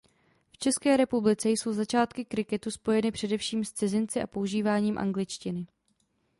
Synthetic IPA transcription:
ft͡ʃɛskɛːɾɛpublɪt͡sɛjso̞wzat͡ʃaːt̪kɪkɾɪkɛt̪uspo̞jɛnɪpr̥ɛdɛfʃiːmst͡sɪzɪnt͡sɪʔa̰po̞uʒiːvaːɲiːmʔa̰ŋɡlɪt͡ʃcɪnɪ

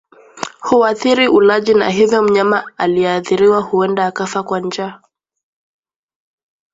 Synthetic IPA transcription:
huaθiɾiʔulaʄina̰ɦivjɔm̩ɲamaaliɛaθiɾiwahuɛndaːkafakwaɲd͡ʒaː

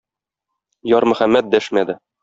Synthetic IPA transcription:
jɒɾmɵ̆χæmːæt̪̚d̪æʃmæd̪ɘ

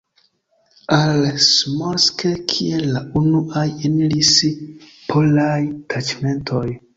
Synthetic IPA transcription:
alsmoskekʰielːaunuʔajenilis | pʰolajtʰat͡ʃme̞ntʰo̞j

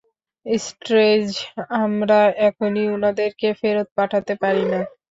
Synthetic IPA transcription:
isʈɾed͡ʑamɾaʔɛkʰoniunad̪eɾkefeɾot̪̚paʈʰat̪epaɾina

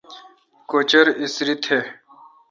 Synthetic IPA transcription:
kot͡ɕɐɾisɾit̪ʰe

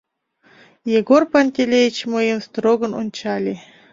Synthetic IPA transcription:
jeɡorpanʲtʲelʲejit͡ɕmɨjəmst̪roɡɤ̆nunʲt͡ɕɑlʲe

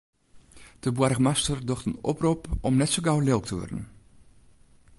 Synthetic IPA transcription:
d̥əbwarɣmastərdɔxtənɔ̰prupɔmnɛtsoɡawlɪlˠk̚tʰəʋɔ̰rdən̩

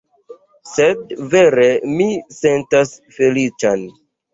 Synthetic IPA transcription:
sedve̞ɾe̞mise̞ntasfe̞lit͡ʃan

